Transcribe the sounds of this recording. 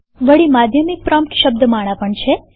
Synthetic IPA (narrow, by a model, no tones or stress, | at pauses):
ʋəɭimad̪ʱjəmik̚pɾamʈ̪ʃəb̚d̪əmaɽ̃ãpəɳt͡ʃʰe